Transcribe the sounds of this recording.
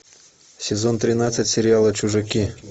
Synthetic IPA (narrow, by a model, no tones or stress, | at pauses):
sʲɪzont̪ɾʲɪnat̪sɨtʲsʲɪɾʲɪalˠət͡ɕʊʐɨkʲi